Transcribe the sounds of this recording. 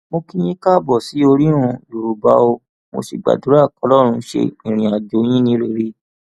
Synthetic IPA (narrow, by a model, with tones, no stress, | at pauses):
mo˧ki˦j̃ĩ˦ka˦˨bɔ˦˨si˨˦o˧ɾi˦ɾũ˧lu˨ɾu˨ba̰˧˦o˧ | mo̰˧sḭ˨ɡ͡ba̰˨du˨˦ɾa˦˨kɔ˨˧˦lɔ˦ɾ̃ũ˧˦ʃḛ˧i˨ɾ̃ĩ˨a˨d͡ʒo˨˦j̃ĩ˦nĩ˨˦ɾe˦˨ɾi˦